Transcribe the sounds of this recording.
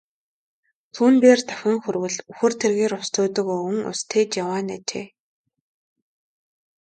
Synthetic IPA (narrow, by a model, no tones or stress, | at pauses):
t̪ʰuːnp̪eːrt̪ḁwʲĭŋxɵrwɘ̆ɮuxɵ̆r̥t̪ʰerɣeːɾʊst̪ʰʊːt̪ɵ̆kɵ̆ŋʊ̰st̪ʰeːt͡ɕjawaːnat͡ɕḛː